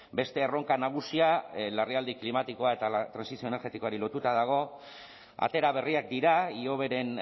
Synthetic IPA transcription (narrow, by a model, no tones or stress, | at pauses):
be̞st̪e̞ːro̞ŋkanaɣ̞usialeriald̪iklimat̪iko̞ae̞t̪at̪ɾansisio̞ene̞ɾɣe̞t̪iko̞aɾilo̞t̪ut̪að̞aɣ̞o̞ | a̰t̪e̞ɾaβ̞e̞riak̚d̪iɾaio̞βe̞ɾe̞n